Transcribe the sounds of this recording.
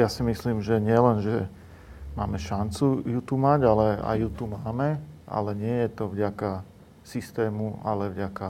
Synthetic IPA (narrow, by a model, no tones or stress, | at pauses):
jasimisliːmʒɛɲɪɛlɛnʒɛ | maːmɛʃant͡sujut̪umaɟalɛa̰jut̪umaːmɛʔa̰lɛɲɪɛjɛt̪ɔvɟaka | sist̪ɛːmualɛvɟaka